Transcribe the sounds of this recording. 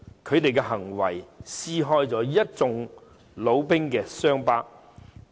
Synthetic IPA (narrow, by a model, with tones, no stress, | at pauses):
kʰɵ˨˧ɥt̪e˨jkɛ˧ɦɐ˨˩ŋwɐ˨˩jsiː˥ɦɔː˥jt͡sɔː˨˥jɐ˥t̚t͡sʊ˨˧ŋ | lo˨˧wpɪ˥ŋkɛː˧sœː˥ŋpaː˥